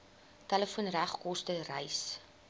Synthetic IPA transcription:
tæləfuənræχkɔstərəjs

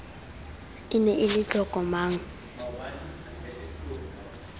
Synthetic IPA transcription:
ɪnɛʔɪlɪt͡ɬʼɔkʼɔmaːŋ̩

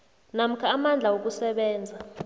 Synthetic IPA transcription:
nam̩kʰaːmand͡ɮʱawok̬usɛɓɛːnd͡zʱa

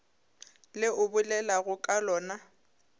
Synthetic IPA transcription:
lɪʔʊbʊlɛlaɣʊkʼalɔːna

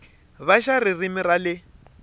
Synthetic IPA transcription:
βaʃaririmɪralɪ

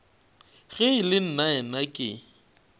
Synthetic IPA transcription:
ɣɛɪlɪn̩naɛnakʼɪ̰

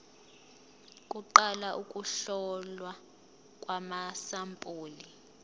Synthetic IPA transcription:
kʼuǃalaʔukʼuɬɔlwa | kʼwamasampʼoːli

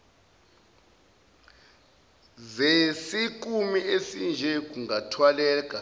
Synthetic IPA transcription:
zesik̬ʼumiesind͡ʒʱɛk̬ʼuŋatʰwalɛːk̬ʼa

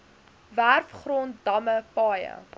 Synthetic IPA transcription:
værfχrontdɐməpɑːjə̰

